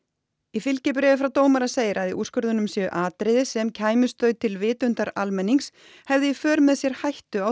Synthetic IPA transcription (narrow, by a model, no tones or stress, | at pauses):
ifɪlcɪpɾɛːvɪfɾawt̪oːwmaɾaseːjɾaðiʔuskʏɾðʏnʏmsjɛʏ̰ʔaːt̪ɾɪðɪsɛmcʰaːjmʏst̪œɥt̪ʰɪlvɪːt̪ʏnt̪aɾa̰lmɛnːiŋs | hɛvðɪifœːɾmɛðsjɛɾ̥hajht̪ʏaw